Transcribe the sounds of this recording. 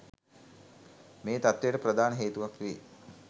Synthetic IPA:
meːt̪at̪ʋejʈəpɾəd̪aːnəɦeːt̪uʋakʋiː

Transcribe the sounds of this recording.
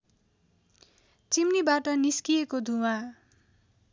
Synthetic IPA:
t͡simnibaʈʌniskijekod̪ʱuwã

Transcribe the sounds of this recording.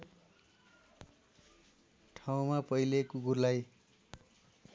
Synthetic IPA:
ʈʰaw̃mapʌjlekuɡurlaj

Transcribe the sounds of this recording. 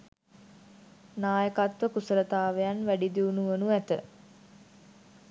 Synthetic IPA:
naːjəkat̪ʋəkusəɾət̪aːʋejanʋæɖid̪iunuʋənuæt̪ə̰

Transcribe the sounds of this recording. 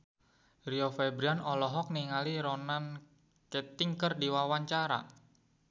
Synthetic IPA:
riofɛbɾianɔlɔɦɔk̚niŋaliɾonan | ket̪ɪŋkərdiwawaɲt͡ʃaɾa̰

